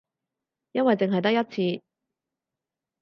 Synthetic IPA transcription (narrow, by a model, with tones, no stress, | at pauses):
jɐ˥nwɐ˨jt͡se˨ŋɦɐ˨jt̪ɐ˥k̚jɐ˥t̚t͡sʰiː˧